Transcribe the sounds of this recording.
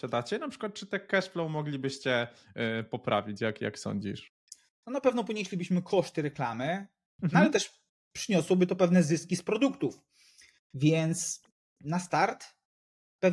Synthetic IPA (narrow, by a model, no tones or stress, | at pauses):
ɕad̪at͡ɕɛnapʂɘ̥kwat̪̚t͡ʂɘt̪ɛkɛʂplɔ̃w̃mɔɡlʲibɘɕt͡ɕɛ | pɔpɾa̰vʲit͡ɕjakja̰ksɔ̰ɲd͡ʑḭʂ | t̪ɔnapɛvnɔpɔɲeɕlʲibɘɕmɘkʰɔʂt̪ɘɾɛklamɘ | nalɛt̪ɛʂ | pʂɘɲɔswɔbɘt̪ɔpɛvnɛzɘskʲispɾɔd̪ukt̪uf | vʲjɛnt̪s | nast̪aɾt̪ | pɛv